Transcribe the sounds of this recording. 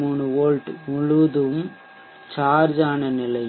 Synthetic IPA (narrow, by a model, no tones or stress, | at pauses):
muːɳɯoːɻʈmʊɻʊʋɐðɯm | t͡ʃaːɾd͡ʒaːnɐnɪlɐɪ